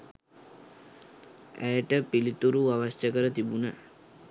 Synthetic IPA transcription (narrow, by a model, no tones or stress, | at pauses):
æ̰jəʈəpilit̪uɾuaʋaʃjəkəɾət̪ibunə